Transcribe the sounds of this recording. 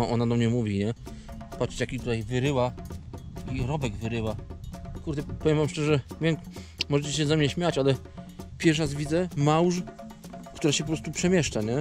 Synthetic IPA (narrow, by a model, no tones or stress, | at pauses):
aʔɔnad̪ɔmɲɛmuvʲiɲɛ | pat͡ɕt͡ɕakʲit̪ut̪ajvɘɾɘwa | iɾɔbɛɡvɘɾɘwakuɾd̪ɛpɔvʲjɛmvamʂt͡ʂɛʐɛvʲjɛmmɔʐɛt͡ɕɛɕɛzamɲɛɕmʲjat͡ɕalɛ | pʲjɛʂ̬azvʲid̪zɛmawʐ | kt̪uɾaɕɛp̬ɔpɾɔst̪upʂɛmʲjɛʂt͡ʂaɲɛ